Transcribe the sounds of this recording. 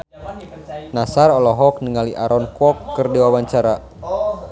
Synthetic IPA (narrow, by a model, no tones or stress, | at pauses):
nasarɔlɔɦɔk̚nəŋaliʔaɾɔnkwɔkːɨrdiwawaɲt͡ʃaɾa